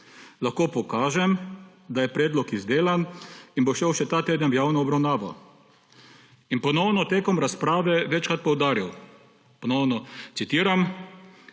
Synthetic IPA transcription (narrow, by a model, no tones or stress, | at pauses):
laxkoːpɔkaːʒɛm | d̪ajɛpɾɛːd̪lɔkizd̪eːlaninboʃeːwʃɛt̪aːt̪eːd̪ənʋjaːwnɔɔbɾawnaːʋɔ̰ | inpɔnɔwnɔt̪eːkɔmɾaspɾaːʋɛʋɛt͡ʃkɾat̪̚pɔwd̪aːɾiw | pɔnɔwnɔtsit̪iːɾam